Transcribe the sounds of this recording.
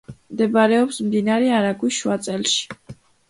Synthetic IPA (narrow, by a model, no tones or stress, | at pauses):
md̪ɛbaɾɛɔpsmd̪inaɾɛaɾaɡwiʃwat̪sʼɛlˠʃi̥